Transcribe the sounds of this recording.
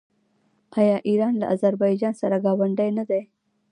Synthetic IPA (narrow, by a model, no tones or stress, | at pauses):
ajɑːʔiɾɑːnla̰ʔazaɾbɑjd͡ʒɑnsaɾaɡɑwaɳɖajnad̪aj